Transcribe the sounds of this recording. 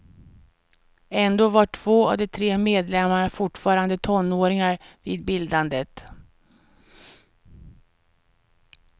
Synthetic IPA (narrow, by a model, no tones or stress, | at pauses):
ɛnd̪oːvaʈʰv̥oːa̰vd̪ɛt̪ʰɾeːmeːd̪lɛmːaɳafʊʈfɑːɾand̪ət̪ʰɔnːoːɾɪŋaɾviːd̪bɪld̪and̪ət̪